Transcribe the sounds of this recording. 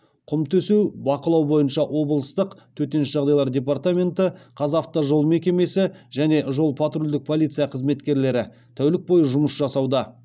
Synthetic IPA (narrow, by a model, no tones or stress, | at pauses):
qʰʊmt̪ʰɵsubɑqəlˠɑwbo̞jənʃɑʔwʔo̞bəlˠəst̪əqt̪ʰɵt̪e̞nɪʃʒɑʁd̪ɑjlˠɑɾd̪ʲe̞p̬art̪amʲe̞nt̪əqʰɑzaft̪ːɑʒo̞lˠme̞kʲe̞me̞sɪʒæne̞ʒo̞lˠpʰat̪rolʲd̪ɪk̚pʰo̞lʲit̪sɨjɑqʰəzme̞t̪kʲe̞ɾle̞ɾɪ | t̪ʰæwlɪk̚bo̞jəʒʊməsʒɑsɑwd̪ɑ